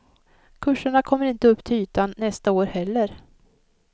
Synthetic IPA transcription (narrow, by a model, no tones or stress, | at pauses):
kʰɵʂːəɳakʰɔmːəɾɪnt̪əɵpːt̪ʰɪyːt̪anːɛst̪aoːɾhɛlːəɾ